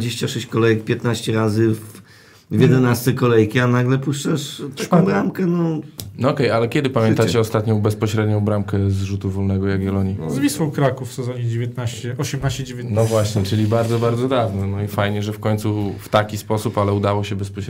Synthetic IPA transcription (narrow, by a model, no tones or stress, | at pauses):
d͡ʑeɕt͡ɕaʂɛɕt͡ɕkɔlɛjɛk̚pʲjɛt̪naɕt͡ɕɛɾazɘv | vʲjɛd̪ɛnast̪sɛkɔlɛjkʲianaɡlɛpuʂt͡ʂɛʂt̪akɔw̃bɾamkɛnɔnɔɔkɛjalɛkʲjɛd̪ɘpamʲjɛnt̪at͡ɕɛɔst̪at̪ɲɔ̃w̃bɛspɔɕɾɛd̪ɲɔ̃w̃bɾamkɛzʐut̪uvɔlnɛɡɔjaɡvɛlɔɲizvʲiswɔ̃wkɾakufsɛzɔɲɛd͡ʑevʲjɛt̪̚naɕt͡ɕɛʔɔɕɛmnaɕt͡ɕɛd͡ʑevʲjɛt̪nɔvwaɕɲɛt͡ʂɘlʲibaɾd̪ɔbaɾd̪zɔd̪avnɔnɔifajɲɛʐɛfkɔɲʲt̪suft̪akʲispɔsupalɛud̪awɔɕɛbɛspɔɕɾ